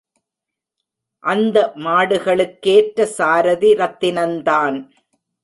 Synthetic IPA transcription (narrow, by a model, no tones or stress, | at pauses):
ʔɐnd̪ɐmaːɽɯɣɐɭɯkːeːʈɾɐsaːɾɐðiɾɐt̪ːɪnɐnd̪aːn